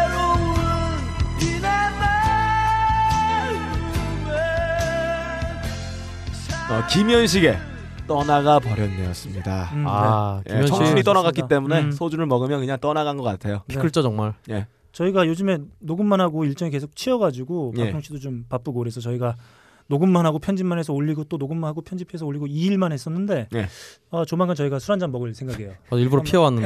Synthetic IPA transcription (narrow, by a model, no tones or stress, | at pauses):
in | ʌkimijʌnɕ̬ʰiɡe̞ | t͈ʌnaɡapʌɾjʌnːeʌs͈ɯmɲidaajʔeḭt͡ɕʌŋuɲit͈ʌnaɡakk͈it͈e̞mune̞sʰod͡ʑunɯɭmʌɡɯmjʌnkɯɲaŋt͈ʌnaɣanɡʌk͈atʰe̞jopʰikʰɯɭt͡ɕ͈ʌt͡ɕʌŋmaɭne̞ | t͡ɕʌiɡajod͡ʑɯme̞noɡɯmːanɦaɡoiɭt͡ɕ͈ʌŋik̬e̞sʰok̚t͡ɕʰiʌɡad͡ʑuɡopatʰoŋɕʰidot͡ɕompap͈ɯɡokɯɾe̞sʰʌt͡ɕʌiɡa | noɡɯmmanɦaɡopʰjʌnd͡ʑimanɦe̞s̬ʰʌoʎːiɡot͈onoɡɯmːanɦaɡopʰjʌnd͡ʑipʰoesʰʌoʎːiɡoiːɭmanɦe̞s͈ʌnːɯnde̞neʌt͡ɕomaŋkʰɯnt͡ɕʌiɡasʰuɾand͡ʑamːʌɡɯɭsʰeŋɡaɡiejoʌiɭbuɾopʰiʌwanːɯn